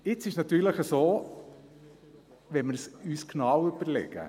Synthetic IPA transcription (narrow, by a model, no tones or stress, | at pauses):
ɪt͡sɪʃnɑt̪yːɾləχəsoː | ʋɛnmɪɾsyːsknɑwʏb̥əɾlɛ̰ɡə̰